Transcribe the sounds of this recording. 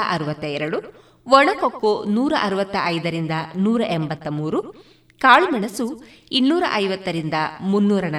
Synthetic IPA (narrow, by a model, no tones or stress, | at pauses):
ʔɐɾuʋɐt̪ːɐjɛɾɐɽu | ʋɔɭɐkokːonuːɾɐʔɐɾuʋɐt̪ːɐʔɐjd̪ɐɾind̪ɐnuːɾɐʔembɐt̪ːɐmuːɾu | kaːɭumɐɳɐsu | inːuːɾɐ̰ʔɐjʋɐt̪ːɐɾind̪ɐmunːuːɾɐnɐ